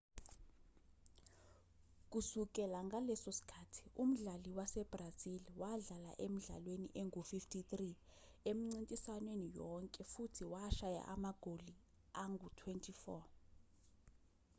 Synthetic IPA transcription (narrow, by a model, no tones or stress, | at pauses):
k̬ʼusuk̬ʼɛlaŋɡalɛsosi̥kʰatʰi̥um̩ɮaliwasɛb̥raziliwaɮala̰ʔem̩ɮa̰lwenḭʔɛŋufiftʰit̪ri | em̩ŋ͡ǀintʼisanwenijɔŋkʼɛfutʰiwaʃaja̰ʔamaɡ̥ʱoli | aŋɡʱutʰwɛntʰʼifɔ